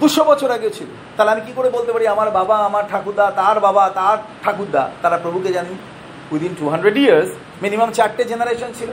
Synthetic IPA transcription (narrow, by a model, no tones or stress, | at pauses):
d̪uʃobɔt͡ɕʰoɾaɡet͡ɕʰilo̰t̪aleamikikoɾebolt̪epaɾiamaɾbabaamaɾʈʰakud̪ːat̪aɾbabat̪aɾʈʰakud̪ːa̰t̪aɾapɾobʱuked͡ʑani | kud̪inʈuɦaɳɖɾeɖiaɾs | minimamt͡ɕaʈʈed͡ʑenaɾeʃont͡ɕʰilo